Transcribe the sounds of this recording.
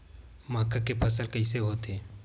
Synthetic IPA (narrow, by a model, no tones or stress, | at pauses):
maːkakepʰɐsəlkəiseɦoːt̪eː